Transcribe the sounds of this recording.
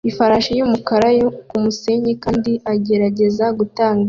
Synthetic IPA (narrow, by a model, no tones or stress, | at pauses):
ifaɾaʃajumukaɾajokumuse̞ːɲekaːndiaɟe̞ɾaɟe̞zaɡutaːŋɡa